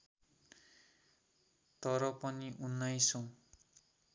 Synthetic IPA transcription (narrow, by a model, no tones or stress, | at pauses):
t̪ʌɾʌpʌniʔunːajsõ